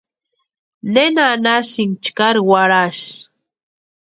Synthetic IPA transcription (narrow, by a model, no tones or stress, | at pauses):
nenanaʃiŋt͡ʃkaɾwaɾaʃ